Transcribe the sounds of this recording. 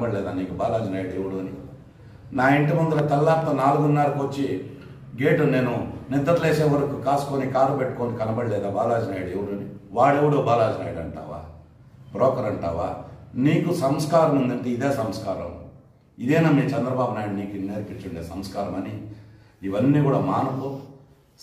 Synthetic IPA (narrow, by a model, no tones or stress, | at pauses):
bɐɽileːd̪aːniːkubaːlaːd͡ʒɐnaːjɽuewuɽuːɐni | naːeɳʈɐmɐnd̪ulɐt̪ɐlːaːt̪ːɐnaːluɡunːaːɾɐkʋot͡ʃːi | ɡeːʈune̞ːnunid̪ːɐt̪leːseːʋɐɾɐkukaːsu̥koːnikaːɾupeʈːu̥koːɳɖukɐnɐbɐɽileːd̪aːbaːlaːd͡ʒɐnaːjɽewuɽuːniʋaːɽeʋɐɽoːbaːlaːd͡ʒɐna̰ːjiɽɐɳʈa̰ːʋa̰ː | pɾɔːkɐɾɐɳʈa̰ːʋa̰ːniːkusɐmskaːɾɐmund̪ɐɳʈeːid̪eːsɐmskaːɾɐ̰m | id̪ɛːnaːmːit͡ʃɛnd̪ɾɐbaːbunaːjiɽniːkineːɾipit͡ʃuɳɖeːsɐmskaːɾɐmɐni | iʋɐnːiːkɡuːɽaːmaːnɐpoː